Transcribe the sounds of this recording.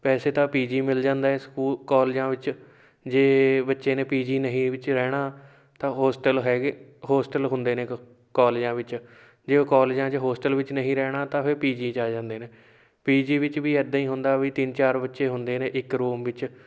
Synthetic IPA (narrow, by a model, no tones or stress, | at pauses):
pɛːseːt̪ãːpiːd͡ʒiːmɪld͡ʒãːnd̪aːɛskuːlkaːld͡ʒãːʋɪt͡ʃ | d͡ʒeːbətːʃeːneːpiːd͡ʒiːnəɦĩːʋɪt͡ʃɾɛːɽ̃aː | t̪ãːɦoːsʈəlɦɛːɡɦoːsʈəlɦʊnd̪eːneː | kaːld͡ʒãːʋɪt͡ʃ | d͡ʒekaːld͡ʒãːd͡ʒeːɦoːsʈəlʋɪt͡ʃnəɦĩːɾɛːɽ̃aːt̪ãːpʰɪɾpiːd͡ʒiːt͡ʃaːd͡ʒãːnd̪eːneː | piːd͡ʒiːʋɪt͡ʃʋiːɛːd̪aːĩːɦʊnd̪aːʋiːt̪ɪnt͡ʃaːɾbətːʃeːɦʊnd̪eːneːʔɪkɾuːmʋɪt͡ʃ